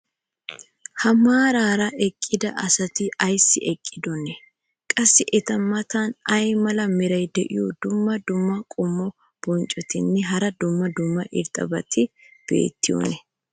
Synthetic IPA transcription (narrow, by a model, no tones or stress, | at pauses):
hɐmaːɾaːɾɐɛkʼːɪd̪ɐʔɐsɐt̪ɪɐjsːɪ̰ʔɛkʼːɪd̪ɔnɛ | kʼɐsːɪʔɛt̪ɐmːɐt̪anɐjmɐlɐmɪɾɐjd̪ɛʔɪjud̪ʊmːɐd̪ʊmːɐkʼʊmːɔ | b̥ɔnt͡ʃʼɔt̪ɪnːɪɦɐɾɐd̪ʊmːɐd̪ʊmːɐʔɪ̰ɾt̪ʼɐ̰bɐt̪ʰɪb̥ḛːt̪ːɪjɔ̰nɛ